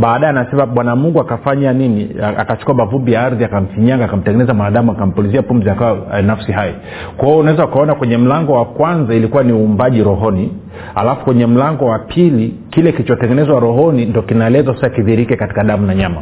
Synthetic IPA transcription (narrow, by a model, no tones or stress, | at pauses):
ɓaːɗajɛanasɛmaɓwanamuŋɡuakafaɲaninia̰kat͡ʃu̥kuaɓavumbijaaɾðiakam̩fiɲaŋɡaːkam̩tɛŋɡɛnɛzamwanaɗamuakam̩pɔliziapum̩ziakawanafsiɦaji | kwahiɔunawɛzaukaɔnakwɛɲɛm̩laŋɡɔwakwanzailikuwaniuːmbaʄiɾɔɦɔni | halafu̥kwɛɲɛm̩laŋɡɔwapʰili | kilɛkilit͡ʃɔtɛŋɡɛnɛzwaɾɔɦɔnindɔkinaɛlɛzasasakiðiɾikɛkati̥kaɗamunaɲama